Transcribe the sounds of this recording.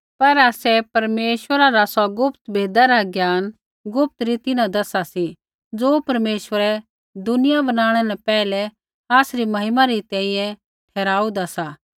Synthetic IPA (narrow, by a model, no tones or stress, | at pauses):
pɐɾaːsɛpɐɾmeːʃʋəɾaɾasɔɡʊpt̪bʱeːd̪aɾaɡjaːn | ɡʊp̚t̪ɾit̪ɪnãd̪ɐsasi | d͡zoːpɐɾmeːʃʋəɾɛ | d̪ʊnɪjabɐnaːɽ̃ɛnɛpɛːlɛ | aːsɾimɐɦɪmaɾit̪ɛ̃ːĩjɛ̃ | ʈʰɛːɾaːud̪asaː